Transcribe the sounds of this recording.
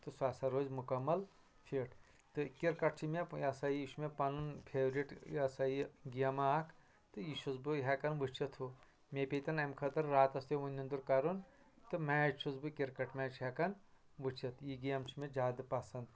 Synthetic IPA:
t̪ɨsaːsɐɾoːzʲmukɐmːɐl | fʰeʈʰ | t̪ɨkiɾkɐʈ̚t͡ʃʰimejɐsajiiʃʰmepɐnunpʰeːʋɾiʈjɐsaiɡijɐmaːkʰ | t̪ɨjiʃʰuzbɨɦʲekɐnʋɨt͡ʃɐt̪ʰu | mepʲet̪ɐnɐmkʰɐt̪ɐɾɾaːt̪ɐst̪joʋunʲind̪uɾkɐɾun | t̪ɨmɛːt͡ʃʰuzbɨkiɾkɐʈmɛːt͡ʃʰɦekɐn | ʋɨt͡ʃɐt̪ʰjiɡijɐmt͡ʃʰimed͡ʒaːd̪ɨpɐsɐnd̪

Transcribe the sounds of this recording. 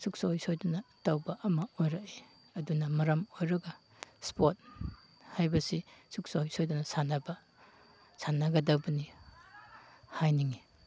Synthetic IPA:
suk̚sajsojdunɐtawbɐʔɐmɐojɾɐke | ɐdunɐmɐɾɐmojɾɐɡɐ | spot̚ | hajbɐsisuk̚sajsojdunɐsanɐbɐ | sʰanɐɡɐdɐwbɐni | hajniŋi

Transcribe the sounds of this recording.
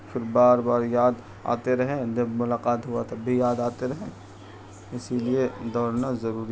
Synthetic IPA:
fʰɪɾbaːɾbaːɾjaːd̪ | a̰ːt̪eɾɐɦẽd͡ʒɐbmʊlaːqaːt̪ɦʊat̪ɐbbʱijaːd̪aːt̪eɾɐɦẽ | ɪsilied̪ɔːɾnazɐɾuːɾi

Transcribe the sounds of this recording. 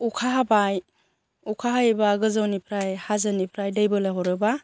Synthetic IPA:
ukʰaɦabaj | ukʰaɦajbaɡɯzawnipʰɾajhazanipʰɾajdajbɯlaɦɔɾɯba

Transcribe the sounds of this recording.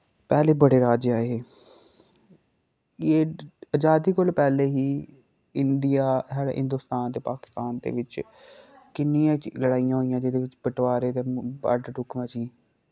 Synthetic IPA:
pɛːleːiːbəɽeːɾaːd͡ʒaːeɦeː | eːəd͡ʒaːd̪iːkolpɛːleːɦiː | ɪnɖijaːɦɛːɽɦɪ̰nd̪uːst̪aːnt̪eːpaːkɪ̥st̪aːnd̪ḛːʋɪt͡ʃ | kɪnːijãːləɽaːijãːɦoːijãːd͡ʒed̪eːʋɪt͡ʃbəʈʋaːɾeːt̪eːba̰ːɖɖʊkʰmãːd͡ʒiː

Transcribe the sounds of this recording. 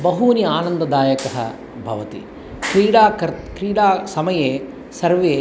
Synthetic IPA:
bɐɦuːniaːnɐnd̪ɐd̪aːjɐkɐɦɐ̰ | bʱɐʋɐt̪ḭ | kɾiːɽaːkɐɾkɾiːɽaːsɐmɐjeː | sɐɾʋeː

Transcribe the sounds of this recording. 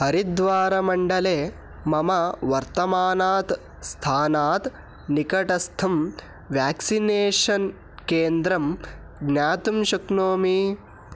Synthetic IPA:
hɐɾid̪ʋaːɾɐmɐɳɖɐleː | mɐmɐʋɐɾt̪ɐmaːnaːt̪ | st̪ʰaːnaːt̪ | nikɐʈɐst̪ʰɐm | ʋjaːksineːʂɐn | keːnd̪ɾɐm | ɡnjaːt̪umʃɐknoːmi

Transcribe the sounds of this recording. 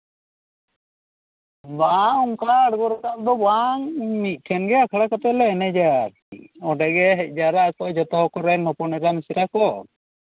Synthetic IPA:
bauŋkaːɽɡɔɾɛkaʔ̚d̪ɔbaŋmit̪̚ˀʈʰɛnɡɛakʰaɽakɔt̪ɛlɛɛnɛd͡ʒaɾ | ɔɖɛɡɛɦɛc̪̚ˀd͡ʒaɾat̪ɔʔd͡ʒɔt̪ɔɦɔkɔɾɛnɔpɔnɛɾamisiɾakɔ

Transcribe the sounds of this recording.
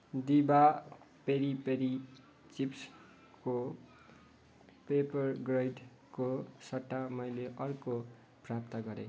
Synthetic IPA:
d̪iba | peɾipeɾi | t͡sips | ko | pepʌrɡrʌjɖ | kosʌʈːamʌjleʔʌrko | prapt̪ʌɡʌɾḛ

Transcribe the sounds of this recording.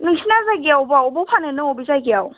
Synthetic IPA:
nɯŋsʰinazaɡiawbaɔbɔpʰanɯnɯŋɔbizaɡiaw

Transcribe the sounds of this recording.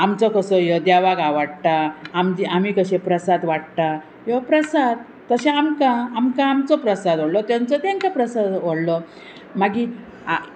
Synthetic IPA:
amt͡sɔkəsɔjɔd̪jaʋaɡaʋaɽ̚t̪aːmd͡ʑiamiːkəɕẽpɾəsad̪ʋaɽt̪a | jɔpɾəsad̪̚ːəɕẽamkaːmkãːmt͡sɔpɾəsad̪ʋəɽlɔt̪jãnt͡sɔt̪jaŋkapɾəsad̪ʋəɽlɔ | maɡi | a

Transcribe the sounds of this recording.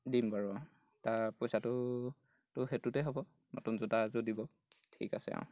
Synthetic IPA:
dimbaɹa | taɹpɔjsatʊ | tʊxetutɛɦobɔ | nɔ̰tunzudazodibɔ | tʰḭka̰sɛ̰a̰w̃

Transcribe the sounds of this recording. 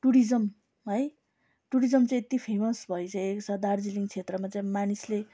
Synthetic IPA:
ʈuɾid͡zʌm | ɦɦʌj | ʈuɾid͡zʌmt͡saĩet̪ipʰemʌsbʱʌet͡saj̃eksad̪ard͡ziliŋɡt͡sʰet̪rʌmat͡saĩmanisle

